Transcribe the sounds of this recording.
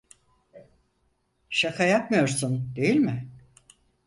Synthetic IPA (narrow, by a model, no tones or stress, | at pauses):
ʃakʰajapmɯjo̞ɾsund̪e̞jilʲmɪ